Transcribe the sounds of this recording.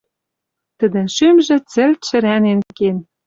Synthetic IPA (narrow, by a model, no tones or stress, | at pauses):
t̪ə̆d̪ɘ̆nʃymʒĕt͡sɘ̆lʲt͡ɕɘ̆ɾænenken